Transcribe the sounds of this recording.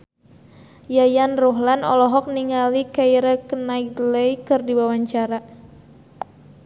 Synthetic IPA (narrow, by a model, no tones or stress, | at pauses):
jajanrɔɦlanɔ̰lɔɦɔk̚niŋalikaiɾəkənaik̚dləikɨrdiwawaɲt͡ʃaɾa